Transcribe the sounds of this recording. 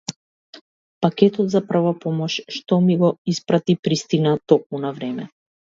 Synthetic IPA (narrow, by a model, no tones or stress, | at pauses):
pakʲɛt̪ɔt̪zapr̩vapɔmɔʃʃt̪ɔmiɡɔispɾat̪ipɾist̪inat̪ɔk̚munavɾɛmɛ